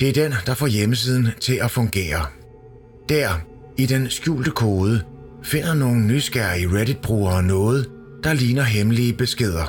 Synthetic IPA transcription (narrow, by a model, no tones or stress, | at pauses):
d̥e̝æɐd̥end̥ɑ̈fɒːjeməs̬ið̞̰ˠn̩t͡sʰe̝lʔæfɔ̽ŋɡ̥e̝̰ːɐ | d̥æɐ̰ | id̥ensɡ̥jṵːld̥əkʰoːð̞ˠə | fe̝n̰ɐno̝ːn̩ːysɡ̥æɐ̰iʁeɾid̥̚b̥ʁṵːɐnɔ̽ːð̞̩ˠ | d̥ɑ̈liːnɐɦemliəb̥e̝sɡ̥e̝ð̞̰ˠɐ